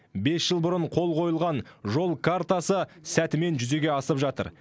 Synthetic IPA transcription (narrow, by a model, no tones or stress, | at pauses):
be̞sʒ̥əlˠbʊɾəɴqʰo̞lˠqʰo̞jəlˠʁɑnʒo̞lˠkʰart̪asəsæt̪ɪme̞nʒʏze̞ɡʲe̞ɑsəpʒɑt̪ə̰ɾ